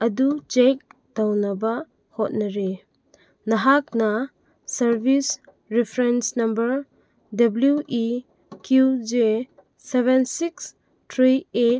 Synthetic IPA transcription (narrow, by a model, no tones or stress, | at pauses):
ɐdut͡ʃek̚ | dawnɐba | hɔt̚nɐɾe | naɦak̚na | sɐɾbʱis | ɾipʰɾensnɐmbɐɾ | dabljuʔi | kjud͡ʒe | seβensiks | tʰɾiet̚